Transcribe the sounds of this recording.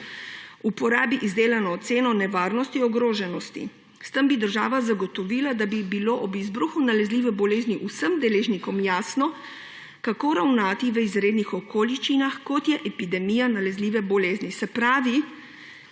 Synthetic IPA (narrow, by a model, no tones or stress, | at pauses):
upɔɾaːbiʔizd̪eːlanɔːt̪seːnɔnɛʋaːɾnɔst̪iɔɡɾoːʒɛnɔst̪ḭ | st̪əmbid̪əɾʒaːʋazaɡɔt̪ɔʋiːlad̪abibiloːʔɔbizbɾuxunalɛzliːʋɛbɔleːzniʔusəmd̪ɛleːʒnikɔmjaːsnɔ | kakoːɾawnaːt̪iʋəizɾeːd̪nixɔkoːliʃt͡ʃinaxkɔt̪jɛʔɛpid̪ɛmijanalɛzliːʋɛbɔleːznisɛpɾaːʋi